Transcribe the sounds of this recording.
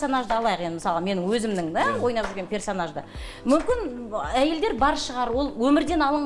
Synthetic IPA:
so̞naʒd̪əɑlˠɑjəqend̪ɪməsɑlˠəme̞nɪŋwɵzɪmd̪ɪŋd̪æwo̞jnɑpʒyɾɡʲe̞npʲe̞rso̞naʒd̪ə̰ | mʏmkʲɪnæje̞ld̪e̞ɾbɑɾʃəʁɑɾwo̞lˠwɵmɪɾd̪e̞nɑlˠəɴ

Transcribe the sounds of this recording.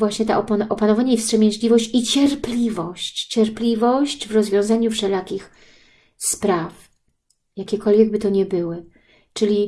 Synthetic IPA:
vwaɕɲɛt̪ɛ̰ʔɔpnʔɔpanɔvaɲaifstʂɛmʲɛ̃ɲʑlʲivɔɕt͡ɕit͡ɕɛɾplʲivɔɕt͡ɕt͡ɕɛɾplʲivɔɕt͡ɕvɾɔzvʲjɔ̃w̃zaɲufʂɛlakʲix | spɾaf | jakʲɛkɔlvʲjɛɡ̚bɘt̪ɔɲɛbɘwɘ | t͡ʂɘlʲi

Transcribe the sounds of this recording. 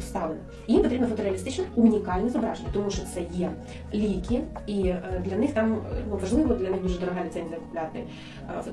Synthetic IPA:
st̪ɑlenɐ | jimpɔt̪ɾʲibnɔfɔt̪ɔɾeɐlʲɪst̪ɪt͡ʃnɔʊnʲikɑlʲnɛzɐbɾa̰ʒenʲɐt̪ɔmuʃɔt̪sɛjɛ | lʲijkʲɪid̪lʲɐnɪxt̪ɑmnuʋɐʒlˠɪʋlˠɔd̪lʲɐnɪxd̪uʐɛd̪ɔɾɐɦɑlʲɪt̪sɛnʲd̪ʲɐkʊ̥plʲat̪ɪ̰

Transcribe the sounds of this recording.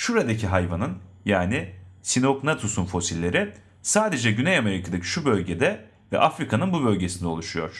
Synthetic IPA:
ʃuɾad̪acʰiɦajvanɯnjaːnisino̞knat̪ʰusunfo̞silʲːe̞ɾɪ | saːd̪e̞d͡ʒɛɟynejame̞ɾikʰad̪acʰi̥ʃubø̞lʲɟe̞d̪ɛ | vɛ̰ʔafɾikʰanɯnbubø̞lʲɟe̞sind̪ɛo̞lˠuʃujo̞̰ɾ̥

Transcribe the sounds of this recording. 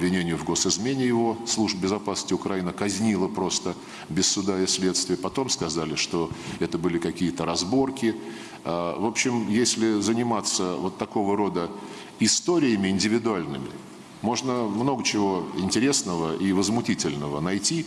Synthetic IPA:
bvʲɪnʲenʲɪjʊvɡo̞sɪzmʲenʲɪjɪvo̞slˠuʐbbʲɪzɐpasnəsʲtʲɪʊkɾɐinəkɐzʲnʲilˠəpɾo̞st̪ə | bʲɪsːʊd̪aɪsʲlʲe̞t̪st̪vʲɪjəpɐt̪o̞mskɐzalʲɪʂt̪o̞ɛt̪əbɨlʲɪkɐkʲijət̪əɾɐzbo̞rkʲɪ | avo̞pɕːɪmjesʲlʲɪzənʲɪmat̪səvo̞t̪ːɐko̞vəɾo̞d̪ə | ɪst̪o̞ɾʲɪjɪmʲɪɪnʲdʲɪvʲɪd̪ʊalʲnɨmʲɪ̰ | mo̞ʐnəmno̞ɡət͡ɕɪvo̞ɪnʲtʲɪɾʲe̞snəvəʔivəzmʊtʲitʲɪlʲnəvənɐjtʲi

